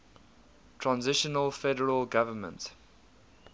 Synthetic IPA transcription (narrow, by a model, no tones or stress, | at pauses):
tʰɹãnzɪʃənəlfɛdəɹəlɡavəmə̰̃nt